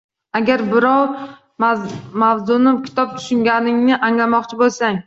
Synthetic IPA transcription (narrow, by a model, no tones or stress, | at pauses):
aɡʲaɾbɪɾɒw | mawzʊnɪkʲʰɪ̥t̪ʰɒp̚t̪ʰʊ̥ʃʊŋɡʲanɪŋnɪʔaŋlamɒqt͡ʃʰɪbolˠsaŋ